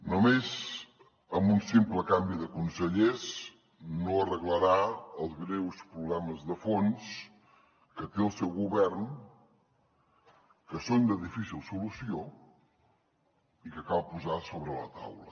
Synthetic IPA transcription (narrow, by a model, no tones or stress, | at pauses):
numez | əmbunsimpləkambiðəkunsəʎez | noərəɣləɾaəlˠzɣɾewspɾuβlɛməzðəfons | kət̪eəlˠsɛwɣuβɛrn | kəsond̪əðifisilˠsulusio | ikəkalˠpuzasoβɾələ̰t̪a̰wlə̰